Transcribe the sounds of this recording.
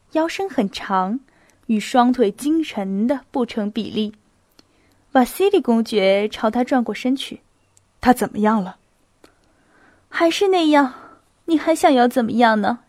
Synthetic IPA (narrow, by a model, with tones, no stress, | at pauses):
jɑ˥ʊʂə˥ŋxə˨˩nʈ͡ʂʰɑ˧˥ŋ | y˨˩ʂwɑ˥ŋt̪ʰwe˨˩ɪt͡ɕi˥ŋʈ͡ʂʰə˧˥nd̪ə˧pu˥˩ʈ͡ʂʰɤ˧˥ŋpḭ˨˩li˥˩ | pa˨˩ɕi˥li˨˩kʊ˥ŋt͡ɕɥɛ˧˥ʈ͡ʂʰɑ˧˥ʊt̪ʰa˥ʈ͡ʂwa˥˧nkwɔ˥˩ʂə˥nt͡ɕʰy̰˨˩˦ | t̪ʰa˥t͡sə˨˩nmə˦jɑ˥˩ŋlə˩ | xa˧˥ɪʂɻ̩˥˧na˥˧jɑ˥˩ŋ | ni˨˩xa˧˥ɪɕjɑ˥˧ŋjɑ˥˩ʊt͡sə˨˩nmə˦jɑ˥˩ŋnə˩